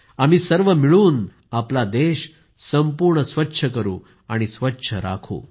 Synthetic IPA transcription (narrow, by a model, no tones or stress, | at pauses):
am̤iːsəɾʋəmiɭuːn | aplad̪eɕ | səmpuːɾɳəsʋətːɕʰəkəɾṵː | aɽ̃isʋətːɕʰəɾa̰kʰṵː